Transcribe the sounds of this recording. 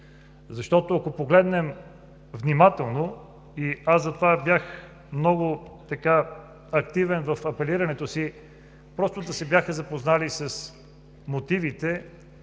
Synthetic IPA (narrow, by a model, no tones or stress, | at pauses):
zɐʃt̪ɔt̪oɐkopoɡlɛd̪nɛm | vnimat̪ɛlˠno | iazzɐt̪ovabjax | mnɔɡʊt̪ɐka | ɐkt̪ivɛnvɐfɐpɛliɾɐnɛt̪osi | pɾɔst̪od̪ɐsɛbjaxəzɐpoznalisɐs | mot̪ivit̪ɛ